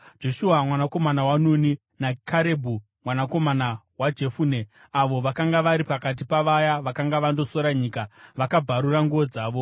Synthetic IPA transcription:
d͡ʒo̞ʃuamwanako̞manawanuni | nakʰaɾe̞bʱu | mwanako̞mana | wad͡ʒe̞fune̞ | aʋo̞ʋakaŋɡaʋaɾipakat̬ipaʋajaʋakaŋɡaʋando̞so̞ɾaɲiːkaʋakab͡vʱaɾuɾaŋɡuʋod͡zaːʋo̞

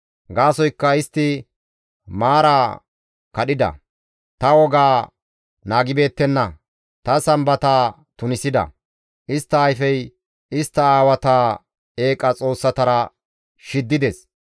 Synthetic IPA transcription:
ɡaːsɔjkːɐɪst̪ːɪ | maːɾaː | kɐɗɪd̪ɐ̰ | t̪ɐwɔɡaː | naːɡɪbe̞ːt̪ːɛnːɐ | t̪ɐsɐmbɐt̪aː | t̪ʊnɪsɪd̪ɐ̰ | ʔɪst̪ːɐːjfɛj | ɪst̪ːɐaːwɐt̪aː | e̞ːkʼɐt͡sʼo̞ːsːɐt̪ɐɾɐ | ʃɪd̪ːɪd̪ɛs

